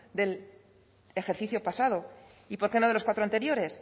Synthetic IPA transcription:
d̪e̞l | e̞xe̞ɾθiθjo̞pasað̞o̞ | ipo̞ɾkenoðelo̞skwat̪ɾoant̪e̞ɾjo̞ɾe̞s

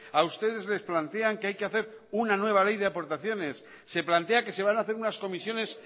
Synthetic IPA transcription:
aust̪e̞ðe̞zle̞splant̪e̞aŋkeajke̞aθe̞ɾ | unanwe̞β̞ale̞jðe̞apo̞ɾt̪aθjo̞ne̞sː | e̞plant̪e̞ake̞seβanaːθe̞ɾunasko̞misjo̞ne̞s

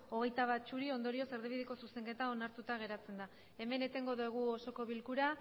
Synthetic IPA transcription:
o̞ɣ̞e̞jt̪aβ̞at̚t͡ʃuɾio̞nd̪o̞ɾiose̞ɾðiβiðeko̞suse̞ŋke̞t̪ao̞naɾt̪ut̪aɣ̞e̞ɾat͡se̞nd̪a | e̞me̞ne̞t̪e̞ŋɡo̞ðeɣ̞uoso̞ko̞βilkuɾa

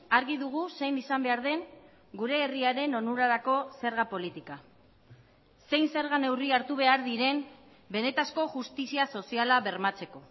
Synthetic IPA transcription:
aɾɣiðuɣ̞use̞jnisambe̞aɾðe̞ŋ | ɡuɾe̞ːriaɾe̞no̞nuɾaɾako̞se̞ɾɣapo̞lit̪ika | se̞jnse̞ɾɣane̞wriaɾt̪uβ̞e̞aɾðiɾe̞m | be̞ne̞t̪asko̞ʝust̪isiaso̞sialaβe̞ɾmat͡se̞ko̞

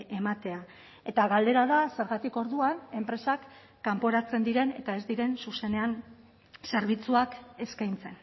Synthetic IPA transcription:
e̞mat̪e̞a | e̞t̪aɣald̪e̞ɾaðase̞ɾɣat̪iko̞ɾðuane̞mpɾe̞sakː | ampo̞ɾat͡se̞nd̪iɾe̞ne̞̰t̪ae̞zd̪iɾe̞nsuse̞ne̞an | se̞ɾβ̞it͡suake̞skajnt͡se̞n

